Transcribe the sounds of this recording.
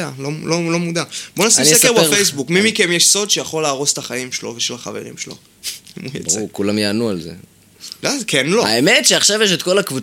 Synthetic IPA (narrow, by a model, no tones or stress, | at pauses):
alololo̞mudab̥o̞nasisekebefejsbukmimikemjeʃso̞d̪ʃejaχo̞leːʁo̞se̥t̪aχajimʃelo̞veʃelaχa̰ve̞̰ʁḭmʃelo̞̰ | imujḛbukulamjaːnualzḛ | lakenloaemetʃeaχʃavjeʃ̬et̪ko̞lakvu